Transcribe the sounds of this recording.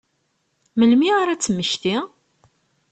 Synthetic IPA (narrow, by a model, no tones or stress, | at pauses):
məlmiaɾæt͡sːəmːəʃt̪i